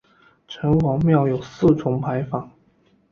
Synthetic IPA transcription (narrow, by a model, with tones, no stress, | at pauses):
ʈ͡ʂʰə˧˥nwɑ˧˥ŋmjɑ˥˩ʊjo˨˩ʊsɹ̩˥˨ʈ͡ʂʰʊ˧˥ŋpʰa˧˥ɪfɑ˨˩˦ŋ